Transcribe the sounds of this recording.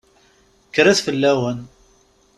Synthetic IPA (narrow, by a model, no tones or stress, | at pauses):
kɾæθfəlːæwən